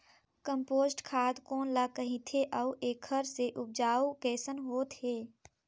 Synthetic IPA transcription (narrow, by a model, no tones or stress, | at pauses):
kə̃mpoːsʈkʰaːd̪koːnlakəɦĩt̪ʰeʔəuʔeːkʰəɾseʔʊp̚d͡ʒaːukɛːsənɦoːt̪heː